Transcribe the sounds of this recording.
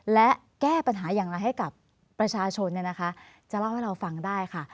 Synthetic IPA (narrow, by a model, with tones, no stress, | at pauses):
lɛ˦˥ʔ | kɛː˥˩pa˧nɦaː˩˦jaː˨˩ŋɾa˧jɦa˥˩jka˨˩pː | ɾa˧t͡ɕʰaː˧t͡ɕʰo˧nːi˥˩na˦˥kʰa˦˥ | t͡ɕa˨˩la˥˩wha˥˩ɾa˧wfa˧ŋdaː˥˩jkʰa˥˩